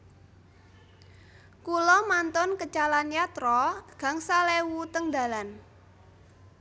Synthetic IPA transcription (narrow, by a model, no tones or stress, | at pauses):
kulɔmant̪ʊnkət͡ʃalanjat̪ɾɔɡ̥a̤ŋsalewut̪əŋd̪a̤lan